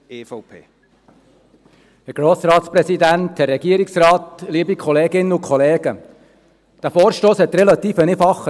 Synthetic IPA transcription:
eːfɔʊpʰeː | hɛɾɡ̥ɾoːsɾɑːt̪spɾɛsid̪ænt̪hɛɾːɛɡ̥iəɾɪksɾɑːt̪liəbikʰɔleːɡɪnːəʊkʰχɔleːɡ̥ə | d̥æfoːɾʃtoːshɛt̪ɾɛlɑt̪iːfənefɑχːə

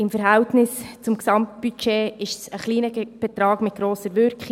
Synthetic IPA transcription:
ɪmfəɾɦæwtnɪst͡sʊmksɑmtb̥yt͡ʃeːɪʃsəχliːnəb̥ɛt̪ɾɑːɡ̥mɪt̚ɡ̥ɾoːsəɾʋʏɾkχi

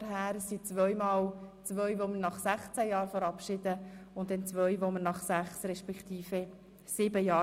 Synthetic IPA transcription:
ɦæːɾsit͡sʋœjmɑːlt͡svœʏʋomənɑχsæχt͡sæjɑːɾfəɾɑpʃɪd̥əʊntdɛnt͡sʋœʏʋomənɑχsæχsrɛʃpɛkχt̪iːfe | sɪbəjɑː

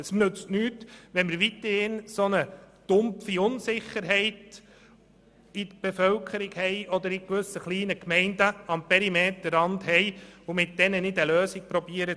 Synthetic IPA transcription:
əsnɵt͡stnyːtʋɛnməɾʋit̪əhɪnsonəd̥ʊmfiʊnsɪχːəɾɦɛɪt | idb̥efœlkʰəɾiɡhɛɪɔd̪əɾɪkʋɵsəχliːnəkmɛɪndəɑmpʰɛɾimeːt̪əɾɑndhɛɪʊmɪt̚d̥ɛnənɪdəløːsik̚pɾɔbiəɾə

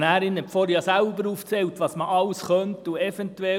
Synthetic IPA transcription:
næːɾɪnɛpfoɾjɑsæʊbəɾuft͡sɛlt̪ʋɑsməʔɑlsχœntuɛfɛntuɛ

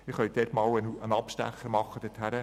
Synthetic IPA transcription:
ɪχœʏd̥̪ɛtmɑːwənənɑpʃtæ̰χəmɑχːəd̥̪ɪthæɾə

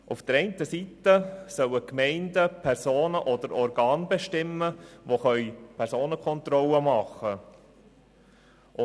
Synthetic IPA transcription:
ʊfd̥̪əɾɛɪnt̪əsit̪əsœləkmɛɪndəpʰɛɾsoːnəʔɔd̥̪əɾɔɾɡɑːnbeʃtɪməʋoχœʏpʰɛɾsoːnəkʰɔnt̪rɔləmɑχːə | ʔʊ

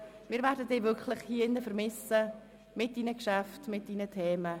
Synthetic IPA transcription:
mɪːɾvɛːɾdəd̥eːvʏkʰlɪχhiːəɪnːəfəɾmɪsə | mɪt̚d̥iːnəkʃaftmɪt̚d̥iːnətʰeːmə

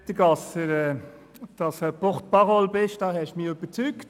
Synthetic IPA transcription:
təɡɑsəɾɛ | d̥ɑsəpɔχt̚pɑʁɔlbɪʃd̥ɑːhɛʃmiøb̥əɾt͡sykt

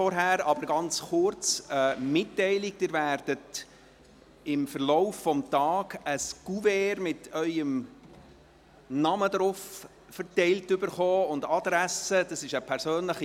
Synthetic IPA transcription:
fɔɾɦæɾɑbəɾɡɑnt͡sχʊɾt͡səmɪtːɛɪlɪɡ̚dɪɾvæːɾd̥ət | ɪmfəɾlɔʊfːɔmtɑːɡəsɡ̥uvɛːɾmɪtʰœʏəm | nɑməd̪ɾʊf | fəɾtɛɪltʏbəɾχoːʊndɑd̥̪ɾæsəd̥ɑsɪʃəpʰɛɾsøːnləχi

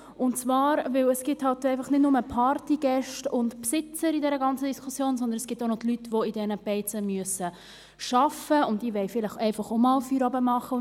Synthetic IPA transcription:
ʊnt͡svɑːɾvɪləsɡ̥ɪthɑltːɛɪfɑχnɪdnʊməpʰɑɾtiɡ̥ɛʃtʊntpsɪt͡səɾidɛɾəɡɑnt͡sədiskʰʊsjoːnsɔndənɛsɡ̥ɪtːonoɔdlytʋoidɛnəpɛɪt͡səmyəsə | ʃɑfəʊndiʋɛɪfɪlɪχɛɪfɑχomɑːlfyɾɑbəmɑχə

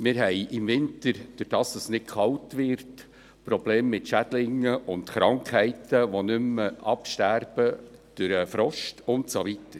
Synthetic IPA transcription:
mɪːɾɦɛɪʔɪmvɪntəɾd̥øɾd̥ɑːstɑsnɪtkʰχɑwtʋɪɾt | pɾɔb̥leːmːɪtʃæd̥lɪŋːəʔʊntχɾɑŋkhɛɪtəʋonʏməɑpʃtærb̥əd̥øɾəfɾɔʃtʰʊntsoʋitəɾ

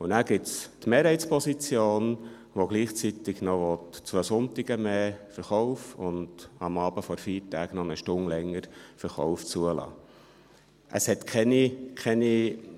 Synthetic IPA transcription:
unæːɡ̥ɪtstmeːɾhɛɪt͡spʰɔsit͡sjoːn | ʋoɡ̥liːχt͡sit̪ɪɡ̥nɔʋɔtt͡sʋøːsʊnt̪ɪɡəmeːfəɾχɔʊfʊnd̥ɑmɑːb̥əfɔɾfiːɾtæːɡnɔnəʃtʊŋlɛŋːəɾfəɾχɔ̰ʊft͡suəlɑ̰ː | ʔə̰shɛt̪kʰɛnikʰɛni

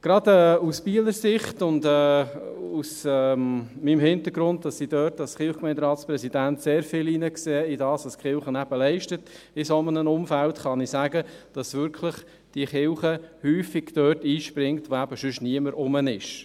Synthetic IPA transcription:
ɡ̥ɾɑdɛːuspiələɾsɪχtʊndɛːusɛmimhɪnt̪əɾɡɾʊnt̚d̥ɑsid̥œːtɑsχɪlχkmɛɪndɾɑːtspɾɛsid̥æntseːɾfɪliːnəkseːɪdɑːsʋɑskχɪlχənæb̥əlɛɪʃtət | ɪsomənənʊmfæltχɑnisæːɡəd̥ɑsʋʏɾkʰləχ | d̥iəχɪlχəhyːfiɡ̥d̥œːtiːʃpɾɪŋtʋoæbəʃʏʃniəməɾʔʊmənɪʃ

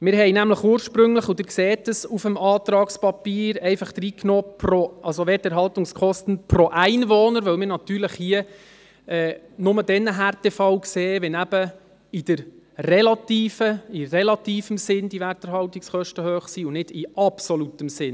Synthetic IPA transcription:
mɪɾɦɛjnæmləχuːərʃpɾɵŋləχʊd̪ɪɾkseːtəsufəmɑːt̪ɾɑːkspɑpiːɾɛɪfɑχd̪̥ɾiːknoːproʔɑlsoʋɛtəɾɦɑltʊŋskʰɔstən̩proʔæɪnvoːnəɾʋœwmɪɾnɑt̪yːɾləχhiə | ɛ | nʊmədɛnːəɦærtɛfɑwkseːvɛnæb̥ə | ɪd̥əɾ | rɛlɑtiːfəɪrɛlɑt̪iːfəmsɪnd̥iværtəɾɦɑltikskʰχœʃtəhøːχsiːʊnɪd̥ɪʔɑpsɔlutəmsɪn

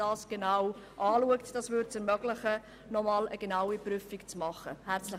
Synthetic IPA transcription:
d̥ɑːsɡ̥enawʔɑːluəktd̥ɑːsvʏɾtt͡sɛɾmœɡlɪχə | nɔmɑːləɡ̥enaʊipryfikt͡smɑχəhæɾt͡slɪ

